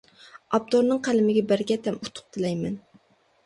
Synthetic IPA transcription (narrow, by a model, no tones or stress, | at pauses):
ɑb̚t̪oɾnɨŋqʰælɪmɪɡʲɛbæɾɡʲɛt̪ʰɛmut̪ʰːʊ̥q̚t̪ʰɨlɛjmɛn